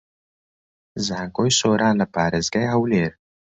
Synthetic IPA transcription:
zaːŋɡojsoːɾaːnlɐpaːɾezɡɐjɦɐwleːɾ

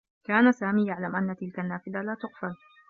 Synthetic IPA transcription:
kaːnasaːmiːjaʕlamʔanːat̪ɪlkanːaːfɪd̪alaːt̪ʊqfal

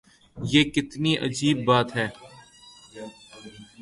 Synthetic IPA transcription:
jeːkɪt̪niʔɐ̰d͡ʒiːbːaːt̪ɦɛː

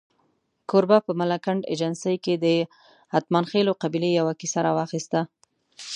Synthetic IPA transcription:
koɾbapəmalakaɳɖḛd͡ʒansəjked̪ə | hat̪manxeloqabilejawakisaɾɑwɑxist̪a

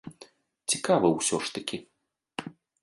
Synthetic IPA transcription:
t͡sʲikavɐwsʲɔʂt̪ɐkʲi

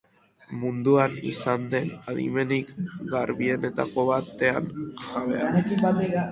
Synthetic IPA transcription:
mund̪uanḭsand̪e̞naðḭme̞nikɡaɾβie̞ne̞t̪ako̞βat̪e̞a̰nʝaβeanekimbat̪ea

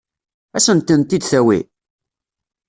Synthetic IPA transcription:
æsənt̪ːənt̪id̪θæwḭ

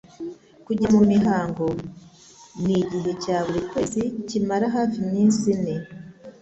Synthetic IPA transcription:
kuɟamumiɦaːŋɡo̞ | niɟiɦe̞caːβuɾikwe̞ːzicimaɾaɦaːfimiːnsine

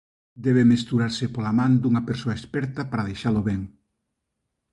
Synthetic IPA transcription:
d̪ɛβemest̪uɾaɾsepolamãnd̪uŋapeɾsoaespɛɾt̪apaɾaðejʃaloβɛŋ

